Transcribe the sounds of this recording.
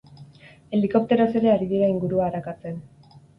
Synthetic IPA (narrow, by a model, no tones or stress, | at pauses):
e̞liko̞p̚t̪e̞ɾo̞se̞ɾe̞aɾiðiɾaiŋɡuɾuaːɾakat͡se̞n